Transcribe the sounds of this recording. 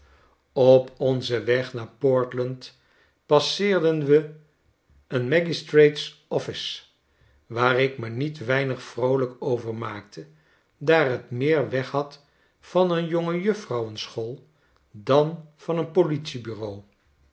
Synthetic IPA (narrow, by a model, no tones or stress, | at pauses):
ɔpɔnzəʋɛχnaːɹpɔɹtlɑnt | pɑsɪːɹdənʋə | ənmɛɡistrejtsɔfɪs | ʋaːrɪkmənitʋɛjnəχfrowləkowvəɹmaːk̚tʰə | daːrɦətmɪːɹʋɛχɦɑt | fɑnənjoŋəjɵfrɑwənsχolˠ | dɑnv̥ɑnənpolitsibyrow